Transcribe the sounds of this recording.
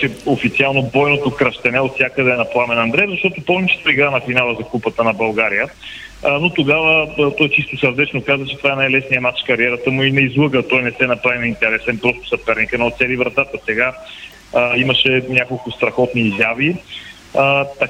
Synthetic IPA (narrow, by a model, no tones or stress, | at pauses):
t͡ʃɛofit̪sialˠnobɔjnot̪okɾɐʃt̪ɛnɛot̪sʲjakəd̪ɛnɐplˠamɛnɐnd̪ɾɛvzɐʃt̪ɔt̪ʊpɔlˠnit͡ʃɛ̥t̪oiɡɾanɐfinalˠəzɐkupət̪ənɐbɐlˠɡaɾijə | not̪oɡavət̪ɔjt͡ʃist̪osəɾd̪ɛt͡ʃnokazvət͡ʃɛ̥t̪o̥vaɛnajlɛsnijəmat͡ʃkɐɾiɛɾət̪əmʊinɐizlˠɤɡət̪ɔjnɛsɛnɐpɾavinɐint̪ɛɾɛsɛnpɾɔst̪ʊ̥sɐpɛɾnikənot̪sɛlivɾɐt̪at̪əsɛɡa | iməʃɛnʲakolˠkʊst̪ɾɐxɔt̪niːzjavi | t̪ɐ